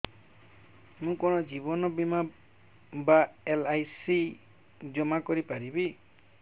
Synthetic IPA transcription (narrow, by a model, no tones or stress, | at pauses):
mũkɔnɔd͡ʒibɔnɔbima | baelajsi | d͡ʒɔmakɔɾipaɾibi